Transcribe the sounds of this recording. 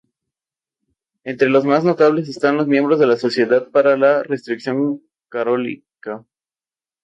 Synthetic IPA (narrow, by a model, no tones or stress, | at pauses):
e̞nt̪ɾe̞lo̞zmazno̞t̪aβle̞s̬e̞st̪anlo̞zmje̞mbɾo̞zðe̞laso̞sje̞ðað̚paɾalare̞st̪ɾiksjo̞ŋ | kaɾolḭ | ka